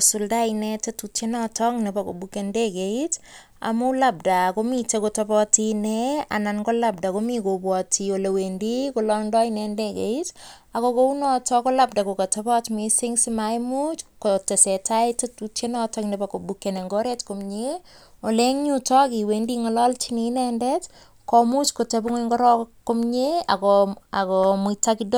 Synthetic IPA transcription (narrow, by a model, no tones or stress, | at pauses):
suldainɛtetutenɔtɔŋnepako̰bukendekeit | a̰mulab̚dakomitekotɔpɔtinɛa̰nankolap̚dakomikobwɔtiolewendikolɔndɔinendekḛitakokounɔtʰɔkolap̚dakokatapɔtmisɪŋsimajmut͡ʃkotesɛtaitetut͡ʃenɔtɔknɛpakobukːeneŋɡɔɾetkomɲeoleŋɲutɔkiwendiŋɔlɔlt͡ʃininɛndɛt | kɔmut͡ʃkotebuŋeŋɡɔɾɔkːomɲeakɔakɔmutakidɔ